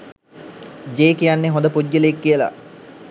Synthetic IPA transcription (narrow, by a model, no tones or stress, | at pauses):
d͡ʒeːkijanːeɦõnd̪əpud̪ɡələekːiəla̰